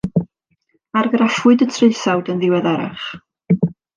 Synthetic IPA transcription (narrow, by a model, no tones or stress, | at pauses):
arɡrafʊdətʰreɨθawdənðɪwɛðɛɾa̰χ